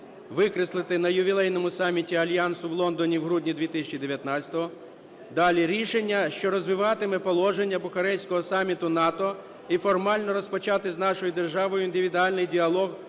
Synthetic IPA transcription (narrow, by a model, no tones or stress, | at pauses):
ʋɪkɾɪslˠɪt̪ɪnɐjʊʋʲilˠɛjnɔmʊsɑmʲitʲiɐlʲjɑnsʊwlˠɔnd̪ɔnʲiwɦɾudʲnʲid̪ʋʲit̪ɪsʲɐt͡ʃid̪eʋjɐt̪nɑt͡ssʲɐ̥t̪ɔɦɔ | d̪ɑlʲiɾʲiʃenʲːɐʃt͡ʃɔɾɔzʋɪʋɑt̪ɪmɛpɔlˠɔʒenʲːɐbʊxɐɾɛjsʲkɔɦɔsɑmʲːit̪ʊnɑt̪ɔ | ifɔrmɑlʲnɔɾɔspɔt͡ʃɑt̪ɪznɑʃɔjʊd̪erʒɑʋɔjʊind̪ɪʋʲid̪ʊɑlʲnɪjdʲiɐlˠɔɣ